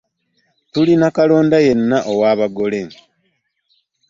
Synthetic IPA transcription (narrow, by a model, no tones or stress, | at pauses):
tulinakalo̞ːndaje̞nːaʔowaːβaɡo̞le